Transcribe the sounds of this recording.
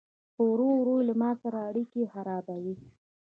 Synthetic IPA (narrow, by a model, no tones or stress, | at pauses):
powɾowɾojlamɑsaɾaːɽikexaɾɑbawi